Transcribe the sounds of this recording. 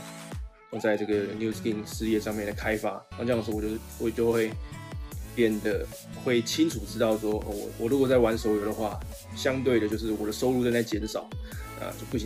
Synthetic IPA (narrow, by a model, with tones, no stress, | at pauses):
o˥˧˩t͡sa˥˧ɪʈ͡ʂɤ˥˩ɡə˩nju˧˥ski˥˧˩ŋʂɻ̩˥˧jɛ˥˧ʂɑ˥˧ŋmjɛ˥˩nd̪ə˩kʰa˦ɪfa˥na˥˩ʈ͡ʂɤ˥˧jŋ˩ʂ̩˧˥˧wɔ˨˩˥ | wɔ˨˩t͡ɕjo˥˧ʊxwe˥˧ɪ | pjɛ˥˩nd̪ə˩ | xwe˥˩ɪt͡ɕʰi˥nʈ͡ʂʰu˨˩ʈ͡ʂɻ̩˥t̪ɑ˥˩ʊʂwɔ˥ʔə̰˧˩wɔ̰˨˩wɔ˨˩ɻu˧˥kwɔ˨˩t͡sa˥˩ɪwa˧˦nso˧˥ʊjo˨˩ʊd̪ə˩˦xwa̰˥˩ | ɕjɑ˥˦ŋt̪̬we˥˩ɪɾə˩t͡ɕjo˥˧ʊʂ̬ɻ̩˥˩wɔ˨˩d̪ə˦so˥ʊlu˥˧t͡sa˥˧na˧˥ɪt͡ɕjɛ˧˥nʂɑ˨˩ʊna̰˥˧t͡ɕo˥˧pu˥˩i˨